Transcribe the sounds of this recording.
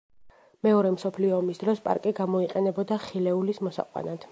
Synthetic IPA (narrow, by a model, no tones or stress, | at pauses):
mɛɔɾɛmsɔpʰliɔːmisd̪ɾɔspʼa̰ɾkʼiɡamɔiqʼɛnɛbɔd̪aχilɛulismɔsa̰qʼwa̰nad̪̥